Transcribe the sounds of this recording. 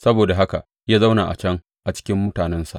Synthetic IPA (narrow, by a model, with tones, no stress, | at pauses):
sɐ˦boː˨da˨ɦa˦ka˨ | jaː˦za˦wnaː˨ʔa̰˨t͡ʃɐ˦ŋ | ʔa˨t͡ʃɪ̥˦kʲɪ˦mːʊ˦taː˨nɛ˦nsa̰˨ʔ